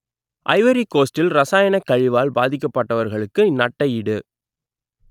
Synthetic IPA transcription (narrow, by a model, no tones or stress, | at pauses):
ʔɐ̰ɪʋɐɾikoːsʈɪlɾɐsaːjɐɳɐkːɐɻɪʋaːlbaːðɪk̬ːɐpːɐʈːɐʋɐɾɣɐɭɯkːɯnɐʈːɐjɪɽɯ